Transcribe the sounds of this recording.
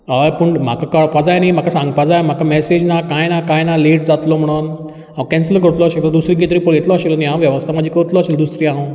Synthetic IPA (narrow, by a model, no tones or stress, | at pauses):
ajpəɳm̤akakəɭpad͡zajnaim̤akasãŋɡpad͡zajm̤akamɛsed͡ʑnakajnakajnaliːʈd͡zat̪lɔm̤əɽ̃uːn | akɛ̃nslkəɾut̪lɔaɕelad̪usɾiːɡit̪ɾiːpəɭjet̪lɔaɕelnijãʋjɛʋəst̪ʰamad͡ʑʱiːkəɾut̪lɔaɕeld̪usɾiːã